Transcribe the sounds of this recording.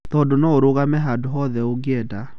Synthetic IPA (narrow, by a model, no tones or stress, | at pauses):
t̪ɔdonɔoɾoɣamɛɦadoɦɔðɛoɡeɛda